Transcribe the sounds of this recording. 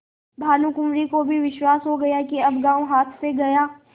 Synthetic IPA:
bʱaːlũkʊmɾikobʱiʋɪʃwaːsɦoɡɐjakiɐbɡãːwɦaːt̪ʰseɡɐjaː

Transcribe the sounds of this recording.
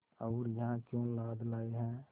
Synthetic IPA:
əːɾjəɦãkjõːlaːd̪laːeɦɛ̃

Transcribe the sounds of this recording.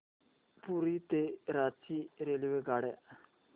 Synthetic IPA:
puɾit̪eɾaːt͡siɾeliweɡaːɽe

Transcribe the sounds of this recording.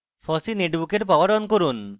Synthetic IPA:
fɔsineʈbukeɾpɔbaɖɔnkoɾun

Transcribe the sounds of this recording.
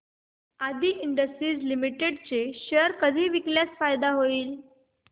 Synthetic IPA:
ad̪iːʔiɳɖəsʈɾiːd͡zlimiʈeɖt͡seɕeɾkəd̪ʱiːʋikljat͡sfajd̪aɦoiːl

